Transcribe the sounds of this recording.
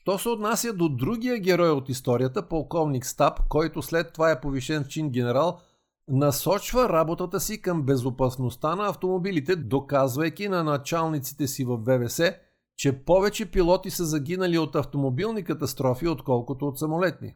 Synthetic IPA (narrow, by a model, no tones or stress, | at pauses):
ʃt̪ɔsɛot̪nasʲjəd̪od̪ɾuɡ̟ijəɡʲɛɾɔjot̪ist̪ɔɾiət̪əpolˠkɔvnikst̪apkɔjt̪ʊslɛt̪ːovaɛpoviʃɛnft͡ʃinɡʲɛnɛɾalˠ | nɐsɔt͡ʃvəɾabot̪ət̪əsikəmbɛzopɐsnost̪anɐːft̪omobilit̪ɛd̪okazvɐjkʲinɐnɐt͡ʃalˠnit̪si̥t̪ɛsivɐfːɛvɛsɛ | t͡ʃɛpɔvɛt͡ʃɛpilˠɔt̪isəzɐɡʲinɐliot̪ɐft̪omobilˠnikɐt̪ɐst̪ɾɔfiot̪kɔlˠkot̪oːt̪sɐmolɛt̪nḭ